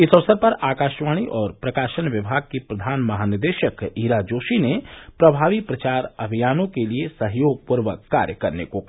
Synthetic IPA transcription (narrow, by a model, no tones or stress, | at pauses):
ɪsəʋsəɾpɐɾaːkaːʃʋaːɽ̃iʔɔːɾpɾɐkaːʃənʋɪbʱaːɡ̚kepɾɐd̪ʱaːnmɐɦaːnɪɾd̪eʃəkiːɾad͡ʒoːʃinepɾɐbʱaːʋipɾɐt͡ʃaːɾɐbʱijaːnõkeliesəɦjoːɡ̚pʊɾʋəkːa̰ːɾjəkɐɾnekok